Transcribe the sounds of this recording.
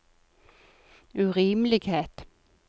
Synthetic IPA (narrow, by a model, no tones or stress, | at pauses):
ʉʁiːmlɪɡheːt̪